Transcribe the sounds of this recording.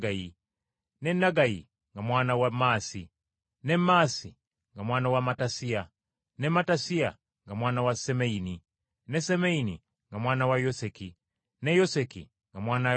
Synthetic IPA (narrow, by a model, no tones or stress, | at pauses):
ɡaji | nenːaɡajḭ | ŋɡamwaːnawamaːsi | nemaːsi | ŋɡamwaːnawamatasia | nematasia̰ | ŋɡamwaːnawasemeini | nesemeini | ŋɡamwaːnawajoseki | nejosekḭ | ŋɡamwaːna